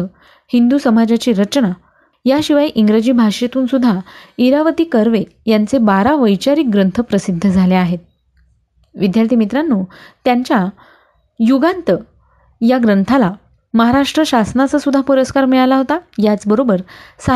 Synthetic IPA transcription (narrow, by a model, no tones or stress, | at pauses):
ə | hind̪usəmad͡ʑat͡ɕiːɾət͡ɕna | jaɕiʋajʔiŋɡɾed͡ʑiːbʱaʂet̪uːnsud̪ʱːaiɾaʋət̪iːkəɾʋe | jant͡sebaɾaʋəjt͡ɕaɾiːk̚ɡɾənt̪ʰəpɾəsid̪ʱːəd͡zʱaleaɦet̪̚ | ʋid̪jaɾt̪ʰimit̪ɾanːuːt̪jaɲt͡ɕja | juɡant̪ə | jaɡɾənt̪ʰala | məɦaɾaʂʈɾəɕasnat͡sasud̪ʱːapuɾəskaɾmiɭalaɦot̪ajat͡sbəɾobəɾsa